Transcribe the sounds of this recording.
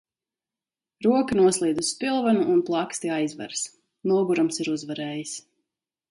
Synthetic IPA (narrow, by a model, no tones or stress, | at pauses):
ɾuɔkanuɔslˠiːd̪uspilˠvanuʔːnplˠakst̪iajzva̰ɾs | nuɔɡuɾamsiɾuzvaɾɛːjis